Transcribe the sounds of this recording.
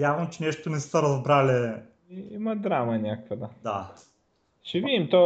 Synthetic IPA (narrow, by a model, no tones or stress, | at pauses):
javəmt͡ʃɛnɛʃt̪onɛssɐɾɐzbɾalɛ | iḭmɐd̪ɾamənʲakəkvəd̪ad̪a | ʃɛvid̪imt̪ɔ